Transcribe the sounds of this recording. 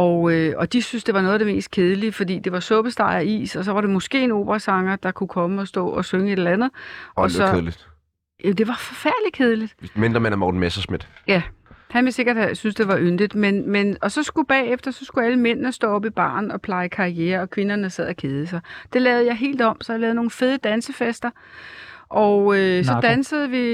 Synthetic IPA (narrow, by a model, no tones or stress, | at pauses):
ɒʊøɒ̽d̥isynsd̥e̝ʋɑ̈nɔ̽ːð̩ˠd̥eme̝̰ːsd̥̚kʰe̝ð̞ˠəlifɒ̽d̥ḭːd̥e̝ʋɑ̈sɔ̽b̥əsd̥ɑ̈ɪæḭːsɒ̽s̬ɒ̽ʋɑ̈ɾe̝mɔ̽sɡ̥e̝̰ːeno̝̰ːb̥ʁɐsɑ̈ŋɐd̥ɑ̈kʰukʰɒ̽məɒ̽sd̥ɔ̰ːɒ̽søŋəe̝ɾ̥ɐlænð̞̩ˠɒsɒ̽lid̥ | æmd̥e̝ʋɑ̈fɒ̽fæɐ̰d̥lid̥̚kʰe̝ð̞ˠlid̥mend̥ɐmænæmɒ̰d̥n̩mesɐsmed̥jæhænʋese̝ɡ̥ɐd̥hæsynsd̥e̝ʋɑ̈ʔønd̥id̥menmenɒ̽sɒ̽sɡ̥ub̥ɛ̰ːefd̥ɐsɒ̽sɡ̥uæləmen̰nəsd̥ɔ̰ːɒ̽b̥ib̥ɑ̰̈ːnɒ̽pʰlɑ̈ɪəkʰɑ̈ieːɐɒ̽kʰʋe̝nɐnəsɛð̞̰ˠækʰe̝ð̞ˠəsɑ̈ɪd̥e̝lɛːʊð̞̩ˠjɑ̈ɪɦe̝̰ːld̥ɒ̽m̰sɒ̽jɑ̈lɛːðˠno̝ːn̩feð̞ˠəd̥ænsəfesd̥ɐ | ʔɒ̽ʊøssɒ̽d̥ænsəð̞̩ˠəʋi